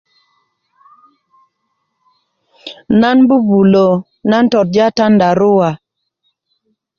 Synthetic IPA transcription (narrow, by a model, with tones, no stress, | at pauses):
na˦nbu˦bu˨lo˨ | na˦n̩˦tɔ˨t̚d͡ʒa˦ta˦nda˨ɾu˦wa˨